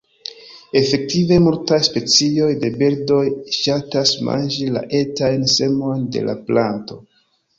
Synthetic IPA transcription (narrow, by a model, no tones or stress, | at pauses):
e̞fe̞k̚tive̞multajspe̞t͡sio̞jde̞beɾdo̞jʃatasma̰nd͡ʒila̰ʔe̞tajnse̞mo̞jnde̞̰lʔa̰planto̞